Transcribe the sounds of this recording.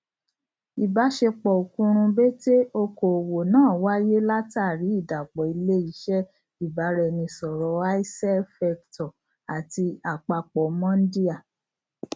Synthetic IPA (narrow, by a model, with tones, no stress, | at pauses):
i˨ba˨˦ʃe˧k͡pɔ˨o˨kũ˦ɾ̃ũ˧be˦te˦o˧ko˨wo˨nãː˨˦˨wa˦je˦la˦ta˦˨ɾi˨˦i˦˨da˨k͡pɔ˨i˧le˦i˧˦ʃɛ˦ | i˦˨ba˨˦ɾɛ˧nĩ˧sɔ˨ɾɔ˨˦a˦i˦sɛ˦fɛ˧ktɔ˨ | a˨ti˧a˨k͡pa˧k͡pɔ˨mã˦n̩˦di˦a˦˨